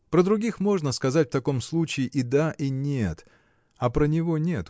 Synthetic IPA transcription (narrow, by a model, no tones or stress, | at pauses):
pɾəd̪ɾʊɡʲixmo̞ʐnəskɐzatʲft̪ɐko̞mslˠut͡ɕɪɪʔid̪aʔinʲet̪ | ɐpɾənʲɪvo̞nʲe̞t̪